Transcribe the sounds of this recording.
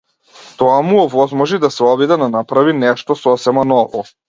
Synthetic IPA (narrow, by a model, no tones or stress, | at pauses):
t̪ɔamuɔvɔzmɔʒid̪asɛɔbid̪ɛnanapɾavinɛʃt̪ɔsɔsɛmanɔvɔ